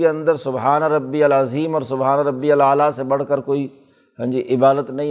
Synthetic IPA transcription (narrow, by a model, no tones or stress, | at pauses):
ɐ̃nd̪əɾsʊbɦaːnaɾɐbːiɐlɐziːmɔːɾsʊbɦaːnaɾɐbːiɐlaːlasẽɓɐɽ̤kəɾkoːi | ɦɐ̃ɪ̃ɲd͡ʑiʔɪbaːd̪ət̪nɐĩ